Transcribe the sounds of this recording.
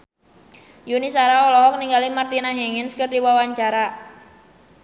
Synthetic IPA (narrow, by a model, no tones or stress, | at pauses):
junisaɾaɔlɔɦɔk̚niŋɡalimart̪inaɦeŋɪnskərdiwawaɲt͡ʃaɾa